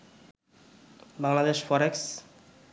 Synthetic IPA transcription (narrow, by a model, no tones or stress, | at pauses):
baŋlad̪eʃfɔɾeks